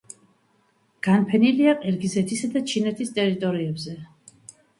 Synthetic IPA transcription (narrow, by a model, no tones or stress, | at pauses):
ɡ̥anpʰɛniliaqʼɛɾɡizɛt̪ʰisad̪at͡ʃʰinɛt̪ʰist̪ʼɛɾit̪ʼɔɾiɛbzɛ